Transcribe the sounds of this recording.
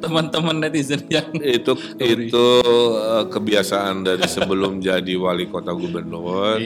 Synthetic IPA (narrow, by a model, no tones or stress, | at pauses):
t̪əmənt̪əmənːat̪isənid͡ʒaŋit̪u | it̪uəkəbiasaandaɾisəbəlʊmd͡ʒadiwalikot̪aɡubərnʊr